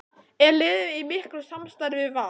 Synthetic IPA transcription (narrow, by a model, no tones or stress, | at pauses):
ɛɾlɪːðɪimɪhkɾʏsamst̪ajɾvɪva